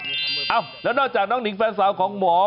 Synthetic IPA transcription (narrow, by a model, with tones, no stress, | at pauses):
ʔaː˧˩wlɛː˦˥wnɔː˧˩t͡ɕaː˨˩k̚nɔː˥ŋni˨˩˦ŋfɛː˧˩nsaː˨˦wkʰɔː˨˦ŋmɔː˨˩˦